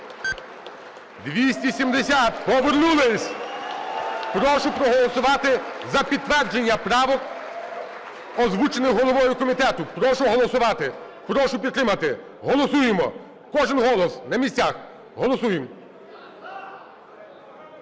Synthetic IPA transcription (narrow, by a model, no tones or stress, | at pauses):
d̪ʋʲisʲtʲisʲimd̪esʲat̪pɔʋernulˠɪsʲ | pɾɔʃʊpɾɔɦɔlˠɔsʊʋɑt̪ɪzɐpʲid̪̚t̪ʋɛrd͡ʒenʲːɐpɾɑʋɔk | ɔzʋut͡ʃenɪxɦɔlˠɔʋɔjʊkɔmʲit̪ɛt̪ʊpɾɔʃʊɦɔlˠɔsʊʋɑt̪ɪ | pɾɔʃʊpʲid̪̚t̪ɾɪmɐt̪ɪ | ɦɔlˠɔsujemɔ̰ | kɔʒɪnɦɔlˠɔsnɐmʲisʲt͡sʲax | ɦɔlˠɔsujem